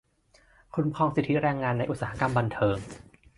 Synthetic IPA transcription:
kʰu˧nkʰɔː˧ŋsi˨˩t̪ʰːi˦˥ɾɛː˧ŋːaː˧nːa˧jʔt̪̚saː˩ha˦ka˧mba˧nt̪ʰɤː˧ŋ

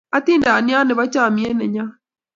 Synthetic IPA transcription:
a˦t̪iː˦ndaː˨ni˦a˦ne˨βa˦t͡ʃaː˨mi˨˦ɛ˦nɛ˨ɲa˦

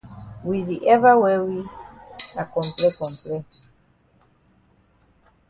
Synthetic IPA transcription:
wi˨ði˨ʔɛ˦va˦wɛ˦wi˦ | a˨kɔ̃˨mplɛ˦kɔ̃˨mplɛ˦

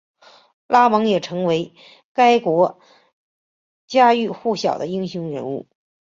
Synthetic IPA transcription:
la˥mɤ˧˥ŋjɛ˨˩ʈ͡ʂʰɤ˧˥ŋwe˧˥ɪ | ka˥ɪkwɔ˧˥ | t͡ɕja˥y˥˧xu˥˩ɕjɑ˨˩ʊd̪ə˦i˥ŋɕu˧˥ŋɻə̰˧˥nṵ˥˩

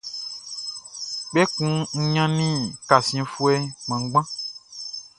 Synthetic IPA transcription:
k͡pɛ˦kũ˦ŋ̩˦ɲã˦nĩ˦ka˨sĩ˨fu˦e˦mẽ˨ŋ˦ɡ͡bã˦

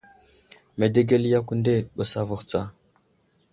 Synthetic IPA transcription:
me˨de˦ɡe˦lja˦kʷu˦nde˦˨ɓə˨sa˦vu˨xt͡sa˦˨

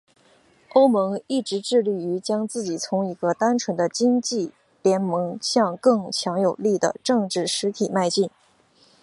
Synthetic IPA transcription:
o˥ʊmɤ˧˥ŋi˥˩ʈ͡ʂɻ̩˧˥ʈ͡ʂɻ̩˥˧li˥˩y˧˥t͡ɕjɑ˥ŋt͡sɹ̩˥˩t͡ɕi˨˩t͡sʰʊ˧˥ŋi˧˥ɡə˧t̪a˥nʈ͡ʂʰwə˧˥nd̪ə˧t͡ɕi˥ŋt͡ɕi˥˩ | ljɛ˧˥nmɤ˧˥ŋɕjɑ˥˧ŋkɤ˥˧ŋt͡ɕʰjɑ˧˥ŋjo˨˩ʊli˥˩d̪ə̰˩ʈ͡ʂɤ˥˧ŋʈ͡ʂɻ̩˥˩ʂɻ̩˧˥t̪ʰi˨˩ma˥˧ɪt͡ɕi˥˩n

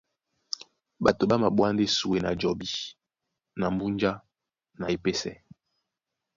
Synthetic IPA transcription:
ɓa˨to˨ɓa˦ma˨ɓwa˦n˦de˦su˨we˨na˨d͡ʒɔ˨bi˨ | na˨m˦bu˦nd͡ʒa˦ | na˨e˨pe˦sɛ˦

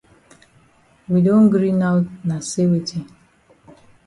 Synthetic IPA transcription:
wi˨do˦n̩˦ɡɾi˦na˦wtna˨se˦we˨tʰi˦

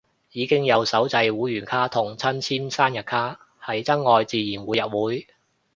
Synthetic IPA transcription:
jiː˨˧kɪ˥ŋjɐ˨˧wsɐ˨˥wt͡sɐ˧jwuː˨˥jyː˨˩nkʰaː˥t̪ʰʊ˨˩ŋt͡sʰɐ˥nt͡sʰiː˥nsaː˥njɐ˨t̚kʰaː˥ | hɐ˨˩jt͡sɐ˥ŋːɔː˨˧jt͡siː˨jiː˨˩nwuː˨˧jɐ˨t̚wuː˨˥j

